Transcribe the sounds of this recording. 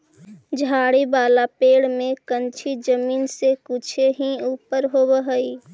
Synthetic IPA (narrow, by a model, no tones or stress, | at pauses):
d͡ʒʱaːɽibaːlapeːɽmẽkənt͡ʃʰid͡ʒəmiːnsekut͡ʃʰeɦiuːpəɾɦobəɦəi